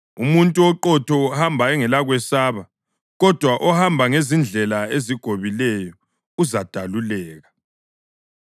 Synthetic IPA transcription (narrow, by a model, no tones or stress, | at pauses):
umuntʼuɔǃɔtʰɔhambʱaɛŋɛlaɣwɛsaːβa | ɣɔd̥ʱwaʔɔhambʱaŋezind͡ɮʱɛlaeziɡ̥ʱoβilɛjɔ | uzad̥ʱalulɛːɣa